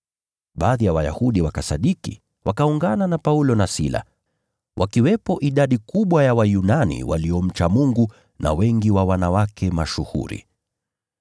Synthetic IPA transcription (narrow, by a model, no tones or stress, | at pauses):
ɓaːðijawaja̰huɗiwakasaɗikḭ | wakauŋɡananapaulɔnasila̰ | wʔakiwɛpɔʔiɗaɗikuɓwajawajunanḭwa̰liɔm̩t͡ʃamuŋɡu | na̰wɛŋɡiwawanawakʰɛmaʃuhṵɾḭ